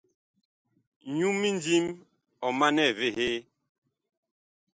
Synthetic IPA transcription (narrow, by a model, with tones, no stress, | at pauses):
ɲu˦mːi˦nd͡zi˦m | ɔ˨ma˦nɛ˦˨ve˦˨ɦe˦